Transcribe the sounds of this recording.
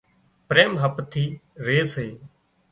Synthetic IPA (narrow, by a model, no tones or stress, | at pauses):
pɾeːmɦəpt̪ʰiːɾeːseː